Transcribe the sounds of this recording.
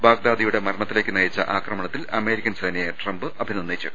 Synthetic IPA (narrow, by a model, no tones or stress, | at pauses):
baːɡ̚d̪aːd̪ɐjuɽe̞mɐrɳɐt̪ːile̞ːkːɨnɐjit͡ɕːɐ̰ʔaːkrɐmɐɳɐt̪ːilɐme̞ːɾikʲːɐnseːnɐjeʈrɐmbɨʔɐbʱininːeːt͡ɕːɨ